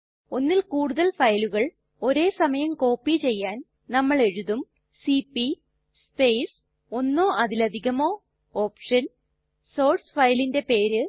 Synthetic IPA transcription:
o̞nːilkuːɽuðɐlfɐjluɣɐɭ | o̞ɾe̞ːsɐmɐjɐmko̞ːpːit͡ɕe̞jːaːn | nɐmːɐɭe̞ɻuðum | siːpːi | spejs | o̞nːoːʔɐðilɐd̪ʱiɣɐmo̞ː | oːpʂɐn | so̞ːrsfɐjlinde̞pe̞ːɾɨ

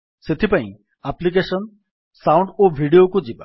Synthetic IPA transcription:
set̪ʰipãḭ̃ | aplik̬eʃən | sãwũɳɖoʋʱiɽijokod͡ʑiba

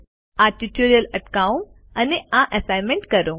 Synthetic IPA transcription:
aʈiʈoɾijələʈkaũ | aneãʔəsajnmẽɳʈkəɾũ

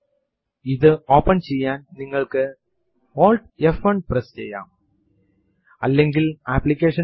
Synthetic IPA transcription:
iðɨoːpːɐnt͡ɕe̞jːaːnniŋːɐɭkɨ | hoːlʈ̚efɐɳɖprɐst͡ɕḛjːa̰ːm | ɐlːe̞ŋɡilaːpːlikʲːeːʂɐn

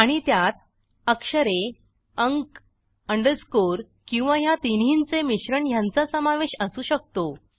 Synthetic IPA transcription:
aɽ̃it̪jat̪̚ | əkʂəɾe | əŋk | əɳɖəɾskoɾ | kĩw̃ʋajat̪inɦiːnt͡semiɕɾəɳjant͡sasəmaʋeɕəsuːɕək̚t̪o

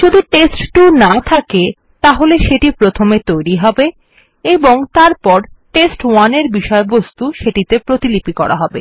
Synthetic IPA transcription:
ʃod̪ʱuʈesʈʈunat̪ʰake | t̪aɦoleʃeʈipɾot̪ʰomet̪ojɾiɦɔbe | eboŋt̪aɾpɔɾʈesʈwaneɾbiʃɔebost̪uʃeʈit̪epɾot̪ilipikɔ̰ɾa̰ɦɔbḛ

